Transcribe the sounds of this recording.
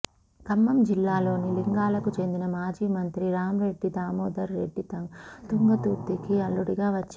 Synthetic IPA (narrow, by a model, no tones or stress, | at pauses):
kɐmːɐmd͡ʒilːaːlo̞ːniliŋɡaːlɐkut͡ʃe̞nd̪inɐmaːd͡ʒiːmɐnt̪ɾiɾaːmɾe̞ɖːid̪aːmɔːd̪ɐɾːe̞̰ɖːit̪ɐŋt̪uŋɡɐt̪uːɾt̪ːikiɐlːuɽiɡaːʋɐt͡ʃː